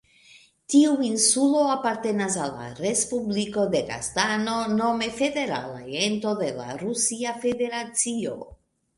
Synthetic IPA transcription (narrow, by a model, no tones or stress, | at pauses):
tiuinsulo̞apaɾte̞nas̬alːa̰ɾe̞spubliko̞de̞ɡa̰stano̞no̞me̞fe̞de̞ɾa̰la̰ento̞de̞la̰ɾusiafe̞de̞ɾat͡sio̞̰